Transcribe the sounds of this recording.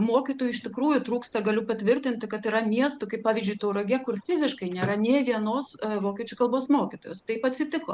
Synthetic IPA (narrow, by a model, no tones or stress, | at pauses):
moːkʲit̪oːjʊɪʃʲt̪ʲɪkɾuːjʊt̪ɾuːkst̪ɐɡɐlʲʊpɐt̪ʲʋʲɪrʲt̪ʲɪnʲt̪ʲɪkɐt̪iːɾɐmʲiɛst̪ʊkɐɪpɑːʋʲizʲd͡ʒʲʊɪt̪oːʊrɐɡʲeːkʊrfʲɪzʲɪʃkɐɪnʲeːɾɐnʲeːʋʲiɛnoːsʋoːkʲɛt͡ʃʲʊkɐlˠboːsmoːkʲɪt̪oːjoːst̪ɐɪpɐt̪ʲsʲɪt̪ʲɪko̰ː